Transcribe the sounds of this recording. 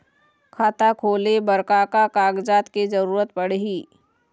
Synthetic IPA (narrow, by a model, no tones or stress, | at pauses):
kʰaːt̪akʰoːlebəɾkakakaːɡd͡ʒaːt̪ked͡ʒəɾuːɾət̪̚pəɽɦiː